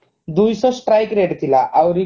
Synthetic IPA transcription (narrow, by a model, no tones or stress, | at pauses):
d̪ujsɔsʈɾajkɾeɽt̪ʰilaʔawɾi